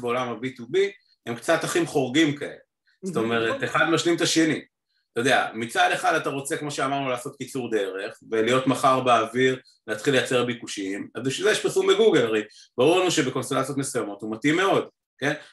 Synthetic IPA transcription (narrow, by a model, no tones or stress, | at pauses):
beo̞lamhabitubi | hemkt͡sataχimχo̞ʁɡimkae̞̰le | zz̥oto̞me̞ʁet̪eχadmaʃlimt̪aʃe̞ni | t̪ajod̪ea̰mit͡sade̞χadataʁo̞t͡se̞kmo̞ʃeamaʁnulaːso̞t̚kit͡suʁd̪e̞ʁe̞χvelijo̞tmaχaʁbeaviʁ | leatχile̞jat͡se̞ʁabikuʃiimazbiʃilzejeʃpiʁsumbeɡuɡelaʁej | b̥aʁuʁlanuʃe̞beko̞nst̪elat͡sijotmesujamo̞thumatimːe̞o̞d | ke̞n